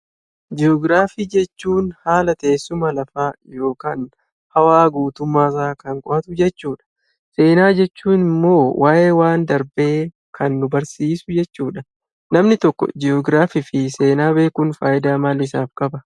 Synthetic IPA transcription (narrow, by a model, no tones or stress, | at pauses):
d͡ʒɪɔɡɾaːfiːd͡ʒɛt͡ʃːuːnhaːlɐt̪ɐʔeːsːʊmɐlɐfaːjo̞ːkaːn | hɐwaːɡuːt̪ʊmːaːs̬aːkɐŋkʼɔʔɐt̪ʊd͡ʒɛt͡ʃːuːᶑɐ̥ | se̞ːnaːd͡ʒɛt͡ʃːuːnɪmːo̞ːwʔaːʔe̞ːwaːnd̪ɐɾbe̞ː | kʰɐnːʊbɐɾsiːsʊd͡ʒɛt͡ʃːuːᶑɐ | nɐmnɪt̪ɔkːɔ̰d͡ʒɪɔɡɾaːfɪfɪse̞ːnaːbe̞ːkʊnfaːjɪd̪aːmaːlɪs̬aːfkʼɐbɐ